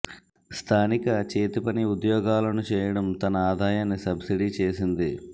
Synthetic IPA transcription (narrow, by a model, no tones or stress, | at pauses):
st̪ʰaːnikɐt͡ʃeːt̪ipɐniud̪jɔːɡaːlɐnut͡ʃɛːjɐɽɐmt̪ɐnɐaːd̪ʱaːjaːnːisɐbsiɽit͡ʃe̞ːsind̪i